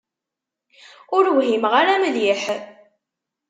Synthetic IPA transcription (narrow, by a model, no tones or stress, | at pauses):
ʊɾwɦimʁaɾaməðiħ